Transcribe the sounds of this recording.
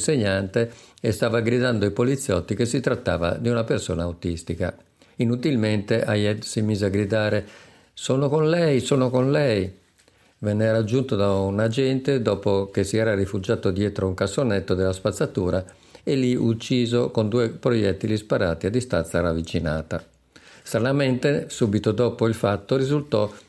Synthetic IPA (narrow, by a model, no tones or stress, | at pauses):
nseɲːant̪eest̪aːvaɡɾid̪and̪oipolit̪sːjɔt̪ːikesːit̪ɾat̪ːa̰ːva̰d̪iunapersɔːnaːwt̪ist̪ika̰ | inut̪ilment̪eʔajɛsimiːzeaɡɾid̪aːɾe | sɔːnokonlɛjsɔːnokonlɛj | vɛnːɛɾad͡ʒːunt̪od̪aunad͡ʒɛnt̪ed̪ɔːpok̟esːiɛːɾarifud͡ʒaːt̪od̪jɛːt̪ɾouŋkasonɛt̪ːod̪elːaspat̪sːat̪uːɾa | elːiʔut͡ʃːiːzokond̪uːepɾojɛt̪ːid̪ispaɾaːt̪iad̪ːist̪a̰nsaravːit͡ʃina̰ːt̪a | st̪ɾanamɛnt̪esuːbit̪od̪ɔːpoilfat̪ːorizult̪ɔ